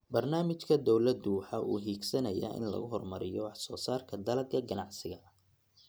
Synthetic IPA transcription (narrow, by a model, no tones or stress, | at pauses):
bɐrnaːmɪt͡ʃkʰɐd̪ɔwlɐd̪uħɐʔṵːɦiːɡsɐnɐja̰ːʔɪ̰nlɐ̰ɣʊɦɔrmɐɾɪjɔwɑħsɔːsaːrkʰɐd̪ɐlɐɡ̪kʰɐɡɐnɑʕsɪɣɐ